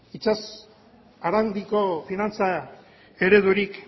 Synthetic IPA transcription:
it͡ʃas | aɾand̪iko̞finant͡sa | e̞ɾe̞ðuɾik

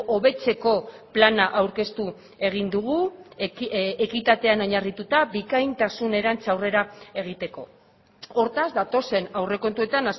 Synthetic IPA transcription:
ʔoβe̞t͡se̞ko̞planaʔawɾke̞st̪u | e̞ɣ̞ind̪uɣ̞u | ekit̪at̪e̞ano̞ɲarit̪ut̪abikajnt̪asune̞ɾant͡sawre̞ɾae̞ɣ̞it̪e̞ko̞ | o̞ɾt̪azd̪at̪o̞se̞nawre̞ko̞nt̪ue̞t̪anas

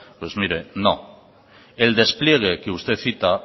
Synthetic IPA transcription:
pwezmiɾeno | eld̪espljeɣ̞ekeust̪eθit̪a

